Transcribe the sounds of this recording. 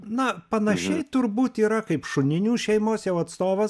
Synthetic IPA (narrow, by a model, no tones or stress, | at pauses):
nɐpɐnɐʃʲɛɪt̪ʊrbuːt̪iːɾɐkɐɪpʃʊnʲɪnʲuːʃʲɛɪmoːsjɛʊɐt̪st̪oːʋɐs